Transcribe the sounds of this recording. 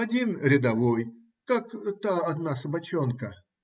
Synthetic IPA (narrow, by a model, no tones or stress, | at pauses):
ɐdʲinɾʲɪd̪ɐvoj | kakt̪aɐd̪nasəbɐt͡ɕonkə